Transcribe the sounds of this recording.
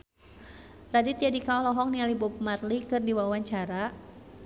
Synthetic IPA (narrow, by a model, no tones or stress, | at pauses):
radit̪̚jadikaɔhlɔɦɔŋnialibup̚marlikɨrdiwawaɲt͡ʃaɾa